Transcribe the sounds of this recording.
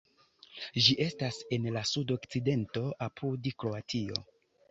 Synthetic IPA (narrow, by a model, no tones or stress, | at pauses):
ʒiʔe̞stase̞nlasudo̞kt͡side̞nto̞ʔapʰudkɾo̞atʰio̞̰